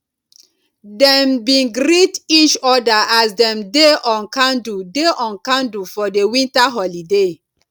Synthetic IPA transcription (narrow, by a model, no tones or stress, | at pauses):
dɛmbĩnɡɾitit͡ʃɔdaʔasdɛ̃mdeʔɔ̃nkãndudeʔɔ̃nkãndufɔdewĩntaɦɔlide